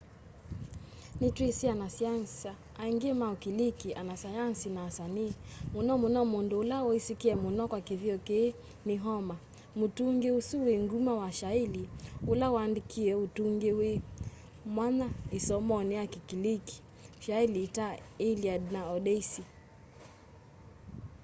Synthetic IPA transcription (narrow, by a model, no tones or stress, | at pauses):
nitɾisianasiansa | aiŋɡiɛmaukilikiʔanasajansinaːsaniːmunɔmunɔmunduulaɔisikiɛmunɔkwakiviɔke | niɦɔma | mutuŋɡiusuwiŋɡumawaʃailiulawandikʰiɛutuŋɡiwi | mwanaisɔmɔniakikiliki̥ | ʃailitailiadnaɔɗɛsi